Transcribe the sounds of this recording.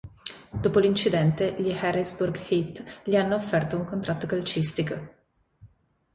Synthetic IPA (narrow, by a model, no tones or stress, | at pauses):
d̪̥oːpolint͡ʃid̪ɛnt̪eʎihɛrisburɡhit̪ʎianːoːfːɛrt̪ouŋkont̪ɾat̪ːokalt͡ʃist̪iko